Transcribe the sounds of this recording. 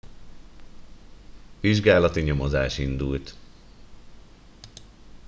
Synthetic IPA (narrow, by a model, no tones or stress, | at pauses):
ʋiʒɡaːlɒt̪iɲo̞mozaːʃind̪ult̪